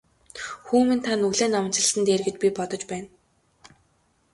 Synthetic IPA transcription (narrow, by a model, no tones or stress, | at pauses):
xuːmĭnt̪ʰanɵɣɮeːnawə̆nt͡ɕɪ̆ɮ̆sə̆nt̪eːrɣɘ̆t͡ɕ̪̚pʲipɔt̪ɞ̆t͡ɕpæːn